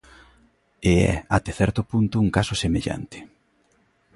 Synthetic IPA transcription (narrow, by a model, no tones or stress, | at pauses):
ɪɛ̰at̪eθɛɾt̪ʊpunt̪ʊːŋkasʊsemeʎa̰nt̪ɪ̥